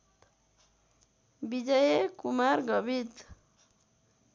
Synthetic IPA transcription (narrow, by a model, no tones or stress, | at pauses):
bid͡ʒʌjekumaɾɡɔbit̪